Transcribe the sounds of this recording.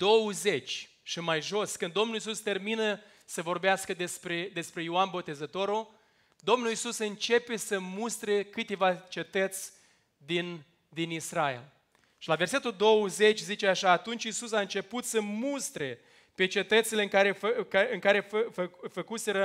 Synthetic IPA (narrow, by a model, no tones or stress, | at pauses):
d̪̥o̞wəze̞t͡ʃʲ | ʃimajʒo̞skɨnd̪ːo̞mnulis̬ust̪e̞rminə | səvo̞rbeaskəd̪espɾe̞d̪e̞spɾe̞joanbo̞t̪e̞zət̪o̞ɾo | d̪omnulisusɨnt͡ʃe̞pe̞səmust̪ɾe̞kɨt̪e̞vat͡ʃe̞t̪ət̪sʲ | d̪in | d̪inisrae̞̰l | ʃilave̞rse̞t̪uld̪o̞wəze̞t͡ʃʲzit͡ʃeaʃaːt̪unt͡ʃʲisusaɨnt͡ʃe̞put̪səmust̪ɾe̞ | pe̞t͡ʃe̞t̪ət̪sileɨŋkaɾeɨŋkaɾe̞ffəfəkuse̞ɾə